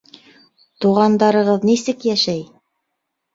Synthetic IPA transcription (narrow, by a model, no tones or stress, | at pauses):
t̪uʁɑnd̪ɑɾɤ̆ʁɤðnisɘkjæʃæj